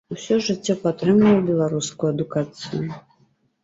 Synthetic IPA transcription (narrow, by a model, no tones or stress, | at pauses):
usʲɔʐɨt͡sʲːɔpat̪ɾɨmlʲɐwbʲɛlˠaɾuskujuɐd̪ukat̪sɨjʊ